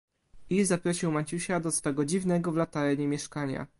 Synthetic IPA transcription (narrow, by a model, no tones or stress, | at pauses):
izapɾɔɕiwmat͡ɕuɕad̪ɔsfɛɡɔd͡ʑivnɛɡɔvlat̪aɾɛɲɛmʲjɛʂkaɲa̰